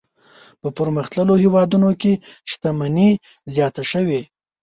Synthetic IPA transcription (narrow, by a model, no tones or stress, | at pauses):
pəpəɾməxt̪ləlohewɑd̪unokeʃt̪amani | zjɑt̪aʃəwe